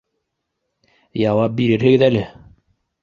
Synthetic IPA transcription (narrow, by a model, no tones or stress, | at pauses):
jɑwɑp̚biɾɘɾɦɘ̆ɡɘðælɘ